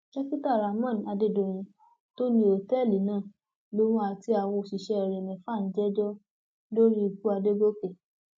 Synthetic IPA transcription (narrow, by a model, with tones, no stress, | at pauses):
d͡ʒɛ˦ki˦ta˦˨ɾa˨mã˦˨n˨a˧de˧do˨j̃ĩ˨˧˦ | to˦nĩ˦o˨tɛ˦˨li˨˦nãː˦˨ | lo˧˦mũ˦a˧˨ti˧˦a˨wɔ̃˧˨ʃi˨ʃɛ˧ɛ˨ɾɛ˨mɛ̃˨fa˦˨n̩˦d͡ʒɛ˦d͡ʒɔ˦ | lo˦ɾi˦u˧ku˦a˧de˦ɡo˦ke˨